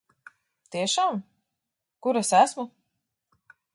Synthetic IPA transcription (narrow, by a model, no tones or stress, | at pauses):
t̪iɛʃaːm | kuɾasæsmu